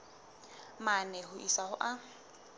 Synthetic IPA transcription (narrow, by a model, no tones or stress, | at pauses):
manɛɦʊʔisahʊʔa